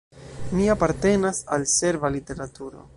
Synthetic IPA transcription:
miapaɾte̞nasalse̞ɾvalite̞ɾatuɾo̞̰

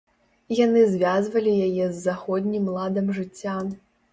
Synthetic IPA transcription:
janɨzʲvʲazvɐlʲijajɛzːaxɔd̪ʲnʲimlˠad̪ɐmʐɨt͡sʲːam

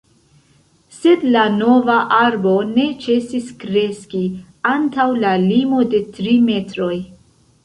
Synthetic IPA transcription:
se̞dlano̞vaʔaɾbo̞ne̞t͡ʃe̞siskɾe̞ski | antawlalimo̞de̞tɾime̞tɾo̞j

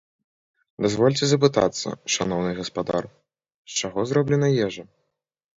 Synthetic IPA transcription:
d̪azvɔlʲt͡sʲɛzɐp̬ɨt̪a̰t̪sːɐ̰ʂanɔwnɨɣɐspad̪a̰r | st͡ʂaɣɔzɾɔblʲɛnɐjɛʐɐ

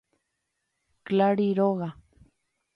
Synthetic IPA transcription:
klaɾiɾoɣa

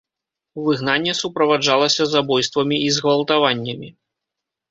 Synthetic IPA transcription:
vɨɣnanʲːɛsupɾɐvad͡ʐalˠɐsʲɐzabɔjst̪vɐmʲiizɣvɐlˠt̪avanʲːɐmʲi

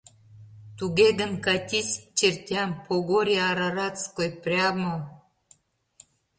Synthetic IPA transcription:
t̪uɣeɣənkɑt̪ʲisʲt͡ɕert̪ʲɑmpʰoɣoɾʲaɑɾɑɾɑt͡skojprʲɑmo

